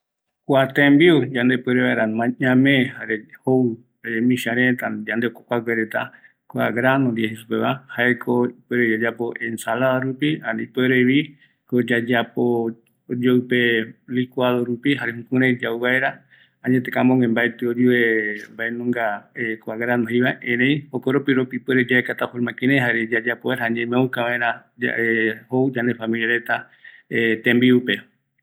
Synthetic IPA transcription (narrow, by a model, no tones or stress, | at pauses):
kʷat̪ẽmbiud͡ʒand̪epeɾeβaeɾamãɲãmẽhaɾeho | aɾemĩʃaɾẽt̪ad͡ʒand̪eokokʷakʷeɾet̪a | kʷa̰ɡɾanõɾieɦesupeβahaekʰoipeɾed͡ʒad͡ʒapoʔensalaðaɾupihaɾeipeɾeβi | kod͡ʒad͡ʒapo | od͡ʒowpelikʷwaðoɾupiɦaɾeɦũkũɾed͡ʒawβaeɾa | aɲẽt̪ekamõŋẽmbajt̪eod͡ʒuembaenõŋɡaekʷaɣaɾanoɦiβaʔẽɾẽj̃hokoɾopiɾopipweɾed͡ʒaekat̪afoɾmãkeɾẽɦaɾed͡ʒad͡ʒapoeɾaaɲẽmẽoukaβaeɾaa̰ehowd͡ʒand̪efamilijaɾe̞t̪a | et̪ẽmbiupe